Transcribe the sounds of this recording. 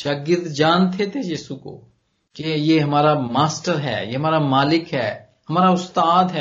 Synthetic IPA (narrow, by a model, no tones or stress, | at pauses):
ʃaːɡɪɾd̪d͡ʒaːnt̪ʰet̪ʰejiːsuko̰ː | kejeːɦɐmaːɾamaːsʈəɾɦɛ̰ːjeːɦəmaːɾamaːlɪkɦɛː | ɦɐmaːɾaʊst̪aːd̪ɦɛ